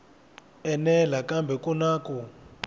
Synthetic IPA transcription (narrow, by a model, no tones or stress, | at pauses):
ɛnɛlakambʱɛkʼɔnaːkʼu